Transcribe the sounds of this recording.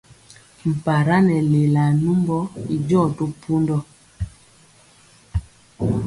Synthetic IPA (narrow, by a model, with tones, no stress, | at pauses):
m̩˨pa˨ɾa˦nɛ˨le˨la˨nu˦mbɔ˦i˨d͡ʒɔ˦˨to˦pʰu˦ndɔ˦